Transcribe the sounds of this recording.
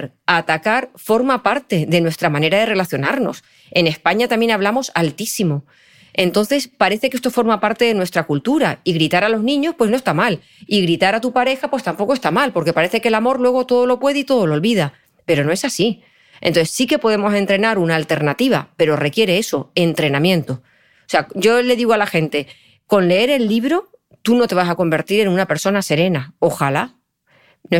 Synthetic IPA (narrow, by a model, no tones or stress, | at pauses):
ɾ | at̪akaɾfo̞ɾmapaɾt̪e̞ðe̞nwe̞st̪ɾamãne̞ɾað̞e̞re̞laθjo̞naɾno̞̰s | e̞ne̞spaɲat̪amje̞naβ̞lamo̞salt̪isimo̞ | ẽ̞nt̪o̞n̟θe̞spaɾe̞θe̞ke̞st̪o̞fo̞ɾmapaɾt̪e̞ðe̞nwe̞st̪ɾakult̪uɾaiɣɾit̪aɾalo̞znĩɲo̞spwe̞snoest̪amal | iɣɾit̪aɾat̪upaɾe̞xapwe̞st̪ampo̞ko̞est̪amalpo̞ɾke̞paɾe̞θe̞ke̞lamo̞ɾlwe̞ɣ̞o̞t̪o̞ðolo̞pwe̞ð̞eit̪o̞ð̞o̞lolβiða | pe̞ɾo̞no̞e̞sasi | ḛnt̪oθesːike̞po̞ðe̞mo̞se̞nt̪ɾe̞naɾunaːlt̪e̞ɾnat̪iβ̞a̰pe̞ɾo̞re̞kje̞ɾe̞eso̞e̞nt̪ɾe̞nãmjẽ̞nt̪o̞ | seaɟ͡ʝo̞le̞ðiɣoalaxe̞nt̪e̞ | ko̞nle̞e̞ɾe̞lːiβ̞ɾo̞ | t̪uno̞t̪e̞β̞asako̞mbe̞ɾt̪iɾe̞nũnape̞ɾso̞nase̞ɾe̞nao̞xala | no